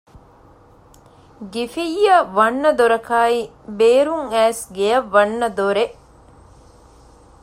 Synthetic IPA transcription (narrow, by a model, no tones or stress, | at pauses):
ɡifijːɐʋɐnːɐd̪oɾɐkaːi | beːɾuŋæːsɡejɐʋːɐnːɐd̪oɾeʔ